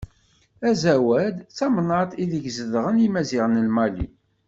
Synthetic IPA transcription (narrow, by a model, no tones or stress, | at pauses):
æzæwæd̪t͡sːɑmnɑt̪ˤiðiʝzəðʁənjimæziʁnəlmɑlḭ